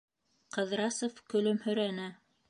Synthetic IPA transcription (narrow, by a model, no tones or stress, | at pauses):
qɤ̆ðɾɑsofkɵ̆lɵmhɵ̆ɾænɘ